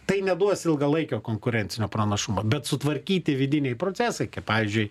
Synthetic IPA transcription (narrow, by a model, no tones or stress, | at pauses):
t̪ɐɪnʲɛd̪uɔsɪlˠɡɐlˠɐɪkʲoːkoːŋkʊɾʲɛnʲt͡ssʲɪnʲoːpɾɐnɐʃʊmɐbʲɛt̪sʊt̪ʋɐɾʲkʲiːt̪ʲɪʋʲɪd̪ʲɪnʲɛɪpɾoːtt͡s̪ʲæːsɐɪkɐɪppɑːʋʲizʲd͡ʒʲʊɪ